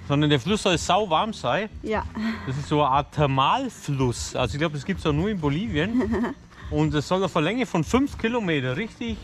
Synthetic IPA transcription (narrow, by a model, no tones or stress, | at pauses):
z̥ɔndɐndeːɐflʊsːɔlz̥aʊvaɐmz̥aɪjd̥asɪstz̥oːəaɐtʰɛɐmaːlflʊsʔalzoɪçɡ̥laʊbədasɡ̥iːp̚tsj̥anuːɐɪnboliːvjən | ʔʊnt̚d̥assɔlafɐlɛŋəfɔnfʏnfkʰilomeːtɐʁɪçtɪç